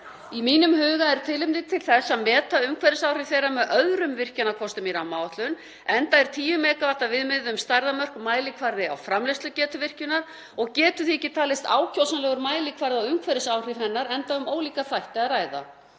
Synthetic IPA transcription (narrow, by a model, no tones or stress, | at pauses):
imiːnʏmhʏːɣaɛɾ̥t̪ʰɪlɪmt̪ɪt̪ʰɪlθɛsːaðmɛːt̪aʏmkʰvɛɾɪsawr̥ɪv̥θejɾamɛðʔœðɾʏmvɪr̥canakʰɔst̪ʏmjiɾamaːwaht̪lʏn | ɛnt̪aɛɾ̥t̪ʰiːjʏmɛːkavaht̪avɪðmɪðʏmst̪aɾðamœr̥kmaːjlɪkʰvaɾðɪa̰wfɾamlɪst̪lʏcɛːt̪ʏvɪr̥cʏnaɾ̥ | ɔɣcɛːt̪ʏθiɛcːɪ̥t̪ʰaːlɪst̪a̰ːwcʰowsanlɛːɣʏɾmaːjlɪkʰvaɾðɪawʏmkʰvɛɾɪsaːwr̥ɪv̥hɛnːaɾɛnt̪aʏmoːwliːkaθajht̪ɪaðraːjða̰